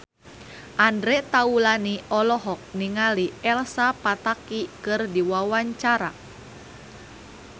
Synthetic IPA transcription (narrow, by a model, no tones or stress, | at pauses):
ʔandɾɛt̪aulaniɔlɔɦɔk̚niŋaliɛlsapat̪akikɨrdiwawaɲt͡ʃaɾa̰